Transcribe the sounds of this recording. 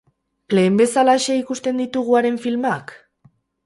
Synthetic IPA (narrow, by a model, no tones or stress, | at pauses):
le̞ːmbe̞salaeʃe̞ikust̪e̞nd̪it̪uɣ̞uaɾe̞ɱfilmak